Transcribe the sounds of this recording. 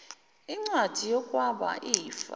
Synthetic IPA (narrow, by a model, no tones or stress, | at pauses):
iŋ͡ǀwad̥ʱijɔkʼwaɓa̰ʔijifa̰